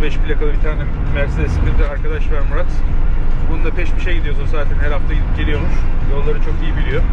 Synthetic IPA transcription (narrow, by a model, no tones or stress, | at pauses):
bɛʃpʰilʲakʰalˠɯbit̪ʰaːnʲɛ | mæɾsed̪esind̪ind̪ɛaɾkʰad̪aʃvæɾmuɾat̪bonund̪apʰɛʃbiʃejɟid̪ijo̞sunzaːt̪ʰɛnheɾaft̪ailʲipɟelʲijo̞muʃvolːˠaɾɯt͡ʃʰo̞kijibilʲijo